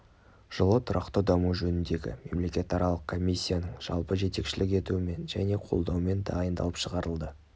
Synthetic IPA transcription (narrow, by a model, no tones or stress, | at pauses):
ʒ̥əlˠət̪ʰʊɾɑqt̪əd̪ɑmuʒɵnɪnd̪e̞ɡʲɪ̰me̞̰mle̞kʲe̞t̪ɑɾɑlˠəq̚kʰo̞mʲijsʲːijanəɴʒ̥ɑ̰lˠpəʒe̞t̪e̞kʃɪlɪk̬ʲe̞t̪uɪme̞nʒæ̰ne̞qʰo̞̰lˠd̪ɑwme̞nd̪ɑjənd̪ɑ̰lˠəpʃəʁɑɾəlˠd̪ə